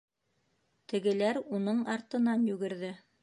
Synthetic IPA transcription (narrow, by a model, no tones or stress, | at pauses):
t̪ɘ̆ɡɘ̆læɾunɤɴɑɾt̪ɤ̆nɑnjʉɡɘ̆ɾðɘ